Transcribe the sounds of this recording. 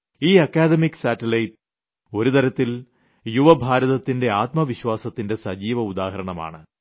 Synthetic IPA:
iːɐkːaːd̪emikːsaːtːɐlɐjt | o̞ɾut̪ɐɾɐt̪ːil | juʋɐbʱaːɾɐðɐt̪ːinde̞aːt̪mɐʋiɕwaːsɐt̪ːinde̞sɐd͡ʑiːʋɐud̪aːɦɐɾɐɳɐma̰ːɳɨ

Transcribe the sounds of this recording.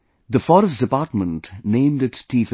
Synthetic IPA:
d̪əfɔɾəst̚d̥ɪpaːɾʈmə̃ntnẽɪ̃mdɨʈːiːf

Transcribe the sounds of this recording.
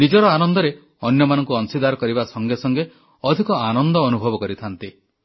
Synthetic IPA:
nid͡ʒɔɾɔanɔnd̪ɔɾe | ɔnjɔmanɔŋkuɔnsid̪aɾɔkɔɾibasɔŋɡesɔŋɡe | ɔd̪ʱikɔanɔnd̪ɔːnubʱɔbɔkɔɾit̪ʰant̪i

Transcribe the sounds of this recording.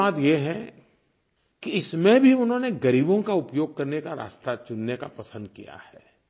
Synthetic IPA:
aːd̪jeɦɛ̃ | kiɪsmẽbʱiʊnɦõːneɡɐɾiːbõkaʊpjoːɡ̚kɐɾnekaɾa̰ːst̪at͡ʃʊnːeka̰pɐsə̃nd̪̚kḭja̰hɛː

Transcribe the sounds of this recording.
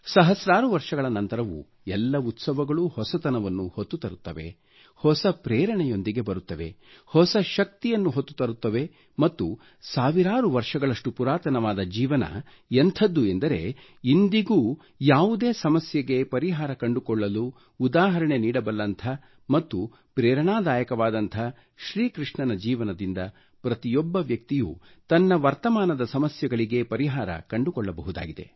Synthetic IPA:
sɐɦɐsɾaːɾuʋɐɾʂɐɡɐɭɐnɐnt̪ɐɾɐʋṵ | ɛlːɐut̪sɐʋɐɡɐɭuhɔsɐt̪ɐnɐʋɐnːuhot̪ːut̪ɐɾut̪ːɐʋe̞̰ | hɔsɐpɾɛːɾɐɳɛjo̞nd̪iɡe̞bɐɾut̪ːɐʋe̞̰hɔsɐʃɐk̚t̪ijɐnːuɦot̪ːu̥t̪ɐɾut̪ːɐʋe̞ | mɐt̪ːu | saːʋiɾaːɾuʋɐɾʂɐɡɐɭɐʂʈupuɾaːt̪ɐnɐʋaːd̪ɐd͡ʒiːʋɐnɐ̰ | ent̪ʰɐd̪ːuend̪ɐɾe̞̰ | ind̪iɡuː | jaːʋud̪e̞ːsɐmɐsjɐɡe̞pɐɾiɦaːɾɐkɐɳɖukɔɭːɐluː | d̪aːɦɐɾɐɳe̞niːɽɐbɐlːɐnt̪ʰɐ | mɐt̪ːu | pɾɛːɾɐɳaːd̪aːjɐkɐʋaːd̪ɐnt̪ʰɐ | ʃɾiːkɾiʂɳɐnɐd͡ʒiːʋɐnɐd̪ind̪ɐ | pɾɐt̪ijɔbːɐʋjɐk̚t̪ijṵː | t̪ɐnːɐʋɐɾt̪ɐmaːnɐd̪ɐsɐmɐsjɐɡɐɭiɡe̞pɐɾiɦaːɾɐ̰kɐɳɖukɔɭːɐbɐɦud̪a̰ːɡid̪ḛ

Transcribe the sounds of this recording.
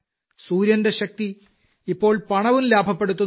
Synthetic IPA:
suːɾjɐnde̞ɕɐk̚t̪i | ipːo̞ːɭpɐɳɐʋumlaːbʱɐpːe̞ɽut̪ːɐ

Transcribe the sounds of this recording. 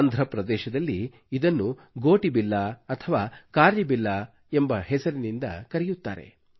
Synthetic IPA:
nd̪ʱɾɐpɾɐd̪ɛːʃɐd̪ɐlːiː | d̪ɐnːu | ɡoːʈibilːaɐt̪ʰɐʋaːkaːɾjɐbilːa | e̞mbɐɦɛsɐɾinind̪ɐ̰kɐɾɛjut̪ːa̰ːɾe̞̰

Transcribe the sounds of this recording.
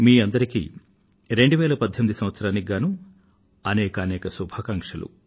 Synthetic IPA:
miːɐnd̪ɐɾikḭː | ɾe̞ɳɖuʋɛːlɐpɐd̪ʱjɐmid̪isɐ̃mʋɐt̪sɐɾaːniɡaːnu | ɐnɛːkɐːnɛːkɐsubʱaːkɐŋkʂɐlṵ

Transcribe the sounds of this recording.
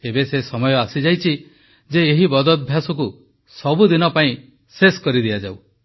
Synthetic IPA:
ebesesɔmɔjɔasid͡ʒajt͡ʃʰi | d͡ʒeːɦibɔd̪ɔd̪ɔbʱjasɔku | sɔbud̪inɔpaĩ | seskɔɾid̪iad͡ʒaw

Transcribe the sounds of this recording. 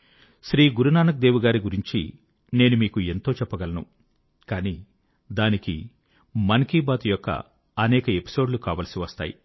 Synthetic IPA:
ʃɾiːɡuɾunaːnɐk̚d̪eːʋuɡaːɾiɡuɾiɲt͡ʃḭ | ne̞ːnumiːkue̞nt̪o̞ːt͡ʃɛpːɐɡɐlɐnṵ | kaːniː | d̪aːnikḭ | mɐnkiːbaːt̪ujɔkːɐ̰ | ɐnɛːkɐe̞pi̥so̞ːɖlukaːʋɐːlɐsiʋɐst̪a̰ːjḭ

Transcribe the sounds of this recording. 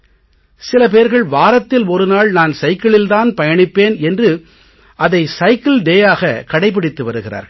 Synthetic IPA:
sɪlɐp̬eːɾɣɐɭʋaːɾɐt̪ːɪlɔɾɯnaːɭnaːnsɐɪkːɐɭɪlt̪aːnpɐjɐɳɪpːeːnɛndrɯ | ʔɐðɐɪsɐɪkɪlɖeːjaːɣɐkɐɽɐɪp̬ːɪɽɪt̪ːɯʋɐɾɯɣɪra̰ːɾ

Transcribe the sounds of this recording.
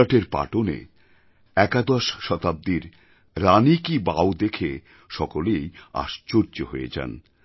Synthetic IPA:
aʈeɾpa̰ʈonḛ | ɛkad̪ɔʃʃɔt̪ab̚d̪iɾ | ɾanikibaod̪ekʰe | ʃɔkoleja̰ʃt͡ɕoɾt͡ɕoɦoḛd͡ʑa̰n

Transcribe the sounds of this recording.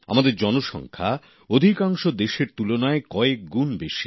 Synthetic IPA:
a̰mad̪eɾd͡ʑɔnoʃɔ̰ŋkʰa | od̪ʱikaŋʃod̪eʃeɾt̪ulonaekɔek̚ɡunbeʃi

